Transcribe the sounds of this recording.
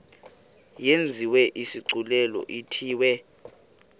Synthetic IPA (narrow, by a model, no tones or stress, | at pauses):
jend͡zʱiwɛʔisiǀʱulɛlɔ̰ʔitʰiːwɛ